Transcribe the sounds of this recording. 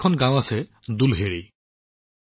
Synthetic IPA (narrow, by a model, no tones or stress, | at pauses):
kʰɔnɡãw̃asɛd̪ulɦeɾi